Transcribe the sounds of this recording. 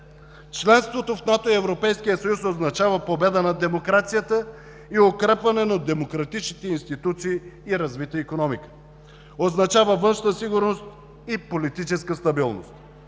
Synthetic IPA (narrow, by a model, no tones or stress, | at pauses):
t͡ʃlɛnst̪vot̪ofnat̪oiɛvɾopɛjskijəsɐjusoznɐt͡ʃavəpobɛd̪ənɐd̪ɛmokɾat̪sijət̪ə | iokɾɛpvɐnɛnɐd̪ɛmokɾɐt̪it͡ʃnit̪ɛinst̪it̪ut̪siːɾɐzvit̪əikonɔmikə̥ | oznɐt͡ʃavəvɤnʃnəsiɡʊɾnost̪ | ipolit̪it͡ʃɛskəst̪ɐbilˠno̰st̪